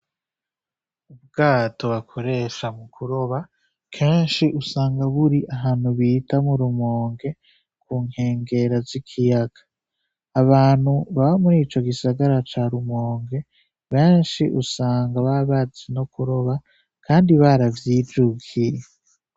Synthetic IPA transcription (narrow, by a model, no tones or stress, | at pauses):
ub̚ɡaːto̞βakʰo̞ɾe̞ʃamukʰuɾo̞βa | kʰeːnʃiʔusaːŋɡaβuɾiʔaɦaːnhuβitamuɾumo̞ːŋɡe̞ | kʰuːŋ̥he̞ːŋɡe̞ɾazikʰijaɡ̥ḁː | βaːn̥huβaβamuɾiːt͡ʃo̞ɡisaɡaɾat͡ʃaːɾumoːŋɡe̞ | βe̞ːnʃiʔusaːŋɡaβaβazino̞kuɾo̞βa | kʰaːndiβaɾavjiːd͡ʒuɡije